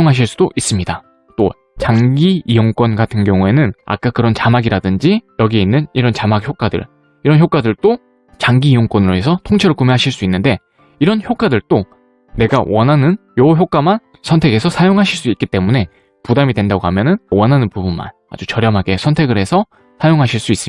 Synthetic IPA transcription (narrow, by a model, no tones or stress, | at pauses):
oŋɦaɕ̬ʰiɭs͈ud̥oʔis͈ɯmɲida | t͈o̰ | t͡ɕaŋɡiijoŋk͈wʌnɡatʰɯnɡjʌŋue̞nɯna̰k͈akɯɾʌnt͡ɕamaɡiɾadɯnd͡ʑijʌɡie̞inːɯniɾʌnt͡ɕamak̚çjok͈wadɯ̰ɭ | iɾʌnçjok͈adɯɭt͈o | t͡ɕaŋɡiːjoŋkwʌnɯɾoɦe̞sʰʌtʰoŋt͡ɕʰeɾuɭkumeɦaɕʰiɭs͈uinːɯnde̞ | iɾʌnçjok͈adɯɭt͈o | ne̞ɡawʌnɦanɯnjʌçjok͈aman | sʰʌntʰe̞ɡe̞sʰʌsʰajoŋɦaɕʰiɭs͈uik͈it͈e̞mune̞ | pudamidwe̞ndaɡoɦamjʌnɯnwʌnɦanɯnpubunma̰n | a̰d͡ʑut͡ɕʌɾjʌmɦaɡe̞sʰʌntʰe̞ɡɯɾɦe̞sʰʌ | sʰajoŋɦaɕʰiɭs͈uis͈ɯm